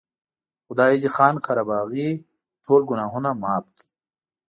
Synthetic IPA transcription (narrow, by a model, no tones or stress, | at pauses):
xʊd̪aːid͡ʑixaːnkʰaɾabaːɣi | ʈʰoːlɡunaːɦunamaːp̚t̪ʰ